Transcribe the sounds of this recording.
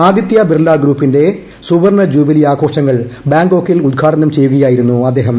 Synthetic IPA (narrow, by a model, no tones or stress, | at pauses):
aːd̪jit̪jɐbirlːaːɡɾuːpːinde̞ | suʋɐrɳɐd͡ʑuːbɐliaːkʰo̞ːʂɐŋːɐɭbaːŋɡo̞ːkːejilud̪̚ɡʰʱaːʈɐnɐmt͡ɕe̞jːuɣɐjaːjiɾunːuɐd̪ːe̞ːɦɐm